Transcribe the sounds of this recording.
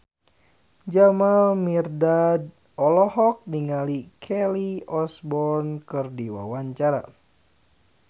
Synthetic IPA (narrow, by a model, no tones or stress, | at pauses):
d͡ʒamalmirdad | ɔlɔhɔk̚niŋalikʰɛliɔsbɔrnkɨrdiwa̰waɲt͡ʃaɾa̰